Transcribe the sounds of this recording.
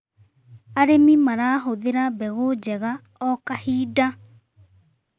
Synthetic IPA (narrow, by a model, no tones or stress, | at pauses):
aɾemimaɾaːɦoðeɾabɛɣod͡ʑɛɣa | ɔkahiːda